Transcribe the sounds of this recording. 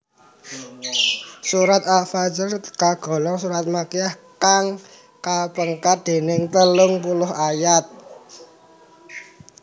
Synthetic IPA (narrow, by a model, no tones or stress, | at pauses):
suɾat̪̚afad͡ʒɪrkaɡ̥ɔ̤lɔŋsuɾat̪̚makiahkaŋ | kapəŋkat̪̚d̪̥e̤nɪŋt̪əlʊŋpulʊɦajat̪̚